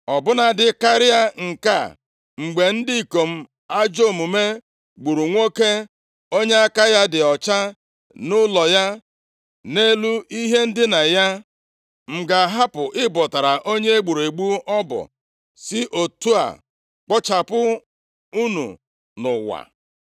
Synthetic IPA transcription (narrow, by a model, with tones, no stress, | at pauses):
ɔ˨bʊ˦na˨dɪ˦ka˦ɾɪ˦a˦ŋ̩˨ka̰˦˨ | ŋ͡m̩˨ɡ͡be˨n̩˦di˦˨ko˨m̩˦ | a˦d͡ʒo˦˨mu˨me˦ | ɡ͡bu˨ɾu˨ŋʷo˦ke˦ | o˦ɲe˦a˦ka˦ja˦dɪ˨ɔ˨t͡ʃa˦ | nʊ˦lɔ˨ja˦ | ne˦lu˦i˦ɦe˦n̩˦dɪ˦na˨ja˦ | ŋ͡m̩˨ɡa˨ɦa˦pʊ˨ʔɪ˦bɔ˨ta˨ɾa˨ʔo˦ɲe˦e˦ɡ͡bu˨ɾe˨ɡ͡bu˦ɔ˦bɔ̰˨ | sɪ˦ʔo˨tu˦a̰˨ | k͡pɔ˦t͡ʃa˨pʊ˦ | u˦nṵ˨ | nʊ̰˨wa̰˨